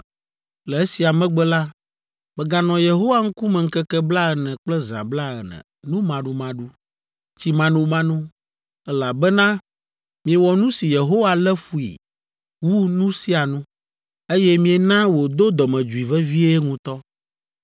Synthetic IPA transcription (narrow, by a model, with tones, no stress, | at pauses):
lɛ˨e˦si˨a˨mɛ̃˦ɡ͡bɛ˦la˦ | bɛ˨ɡa˨nɔ̃˨je˨ɦo˦wa˦ŋ̩˦ku˦mɛ̃˨ŋ̩˦kɛ˦kɛ˦bla˦ɛ˨nɛ̃˨k͡plɛ˦za̰˨bla˦ɛ˨nɛ̰̃˨ | nũ˦mã˨ɖũ˦mã˦ɖu˦ | t͡ɕi˦mã˦nũ˦mã˦nũ˦ | ɛ˦la˨bɛ˦nã˦ | mĩ˨ɛ˨wɔ˨nũ˦si˨je˨ɦo˦wa˨lɛ˦fu˨ḭ˨ | wu˦nũ˦si˦a˨nũ˦ | e˦jɛ˦mĩ˦e˨nã˦wo˨d̪o˦d̪ɔ˨mɛ̃˨d͡ʒu˨i˨vɛ˦vi˦e˦ŋũ˦t̪ɔ˦